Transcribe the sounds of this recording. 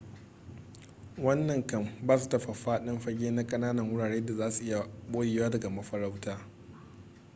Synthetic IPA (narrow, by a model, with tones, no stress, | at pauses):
wɐ˦nːɐ˨ŋkɐ˦mbaː˦s̬u˨tɐ˦ɸa˨ɸaː˦ɗɪ˦mɸɐ˦ɡʲeː˦na˦kʼɐ˦naː˦nɐ˨ŋwʊ˦ɽaː˨ɽeː˦da˨zaː˦su˨ʔɪ˦ja˨ɓoː˦jeː˨waː˦dɐ˨ɡa˨mɐ˦ɸɐ˦ɾa˦wtaː˦